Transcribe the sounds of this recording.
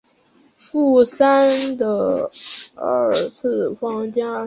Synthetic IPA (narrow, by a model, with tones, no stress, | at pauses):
fu˥˩sa˥nd̪ə˨˩ | ə˥˧˩t͡sʰɹ̩˥˩fɑ˥ŋt͡ɕja˥